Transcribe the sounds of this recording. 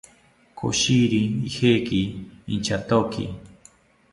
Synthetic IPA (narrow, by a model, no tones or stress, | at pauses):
kʰo̰ʃiɾiːhekiːnt͡ʃat̪okḭ